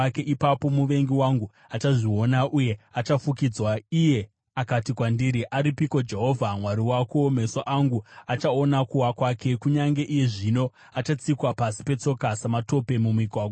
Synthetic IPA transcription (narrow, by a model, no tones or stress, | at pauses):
ke̞ʔipapo̞muʋe̞ŋɡiwaŋɡu | at͡ʃaʐio̞naʔuje̞at͡ʃafukid͡zwaije̞ | akatikwandiɾiʔaɾipiko̞d͡ʒe̞ɦo̞vʱamwaɾiwako̞me̞soʔaŋɡuat͡ʃaonakuwakwake̞kuɲaŋɡe̞ʔije̞ʐino̞ | at͡ʃat͡sikwapasi̥pe̞t͡so̞kasamato̞pe̞mumikwaɡo